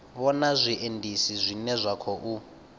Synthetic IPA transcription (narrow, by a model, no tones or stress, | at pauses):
βɔnazʷiʔendʱisizʷinɛzʷakʰɔʔu